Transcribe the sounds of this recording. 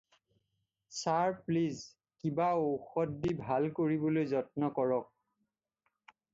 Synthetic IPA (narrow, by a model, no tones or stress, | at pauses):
saɹpliz | kibaoxɔtːibʱalkoɹibɔlojzɔtnɔkɔɹɔk̚